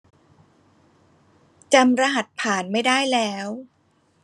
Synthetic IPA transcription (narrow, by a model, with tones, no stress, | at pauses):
t͡ɕa˧mɾa˧ɦa˨˩t̪̚pʰaː˨˩nma˥˩jdaː˥˩jlɛː˦˥w